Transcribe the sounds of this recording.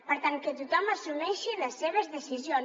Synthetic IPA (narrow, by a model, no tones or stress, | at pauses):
pəɾt̪ankət̪ut̪ɔməsunɛʃiləsːeβəzðəsizion